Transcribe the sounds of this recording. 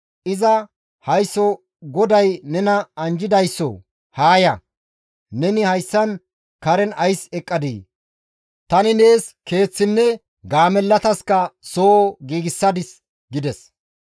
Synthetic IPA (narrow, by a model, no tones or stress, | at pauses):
ʔɪzɐ | hɐjsːɔ | ɡɔd̪ɐjnɛnɐɐnd͡ʒɪd̪ɐjsːɔ̰ | haːjɐ | nɛnɪhɐjsːɐn | kɐɾɛnɐjsɛkʼːɐd̪ḭː | t̪ɐnɪne̞ːske̞ːt͡sːɪnːɛ | ɡaːmɛlːɐt̪ɐskɐsoːɡiːɡɪsːɐd̪ɪs | ɡɪd̪ɛs